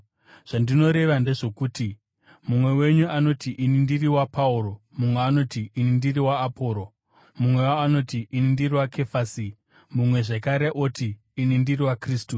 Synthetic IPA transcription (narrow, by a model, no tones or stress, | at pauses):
ʐ̥andino̞ɾe̞ʋande̞ʐo̞kuːti | mumwe̞we̞ɲuano̞tiʔinindiriwapauɾo̞ | mumweano̞tiːnindiriwaːpʰo̞ːɾo̞ | mumwe̞waano̞tiʔinindiriwakʰe̞fasi | mumwe̞ʐekaɾe̞ʔotiː | nindiriwakriːstu